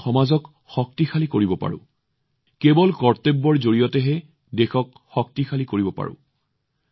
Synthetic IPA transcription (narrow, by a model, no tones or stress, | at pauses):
xɔmazɔk | xɔk̚tixʰalikoɹibɔpa̰ɹʊ̰̃ | kebɔlkɔɹtebːɔɹzoɹijɔtɛɦɛ | dexɔk̚ | xɔk̚tixʰalikoɹibɔpa̰ɹʊ̰̃